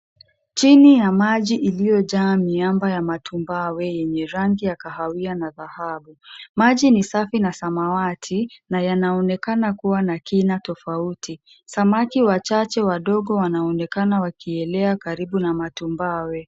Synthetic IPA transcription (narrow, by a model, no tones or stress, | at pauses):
t͡ʃinijamaʄiʔilijɔʄaːmiambajamatʰumbawɛjɛɲɛɾaŋɡijakahawianaðahaɓumaʄinisafinasamawatʰinajanaɔnɛkanakuwanakinatɔfautʰi | samakiwat͡ʃat͡ʃɛwaɗɔɠɔwanaɔnɛkanawakʰiɛlɛakaɾiɓunamatumbawɛ